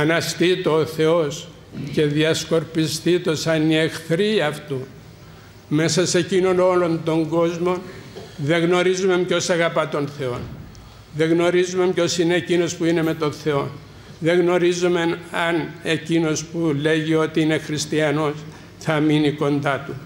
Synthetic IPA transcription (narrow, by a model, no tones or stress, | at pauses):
ɐnɐst̪it̪oːθe̞o̞s | ce̞ðiɐsko̞ɾpist̪it̪o̞sɐnie̞xθɾiɐft̪u | me̞sɐse̞cino̞no̞lo̞nt̪o̞ŋɡo̞zmo̞nðe̞ɣno̞ɾizume̞mpco̞sɐɣɐpɐt̪o̞nθe̞o̞n | ðe̞ɣno̞ɾizume̞mpco̞sineecino̞spuine̞me̞t̪o̞nθe̞o̞n | ðe̞ɣno̞ɾizume̞nɐne̞cino̞spule̞ʝio̞t̪iine̞xɾist̪iɐno̞s | θɐminiko̞nd̪ɐt̪u